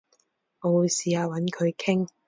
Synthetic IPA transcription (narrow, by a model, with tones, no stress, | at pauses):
o˨˧wu˨˧siː˨˧aː˨˧wɐ˨˥nkʰɵ˨˧ɥkʰɪ˥ŋ